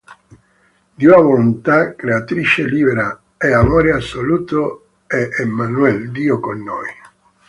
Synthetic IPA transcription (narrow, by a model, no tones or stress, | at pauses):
d̪iunavolunt̪akɾeat̪ɾit͡ʃeliːbeɾa | ɛamɔɾeasoluːt̪o | eʔːmːanuɛld̪iːokonːoj